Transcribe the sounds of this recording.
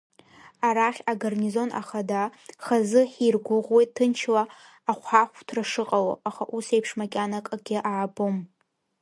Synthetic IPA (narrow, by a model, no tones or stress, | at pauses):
aɾaχʲaɡarnizo̞nʔa̰χadaχazɨħirɡʷʊʁwejtʰːɨnt͡ʃʰlaː | χʷħaχʷtʰraʂɨqʼawa̰aχaʔuse̞jpʰʂmakʲʼanakʼaɡʲɪʔaːbʼom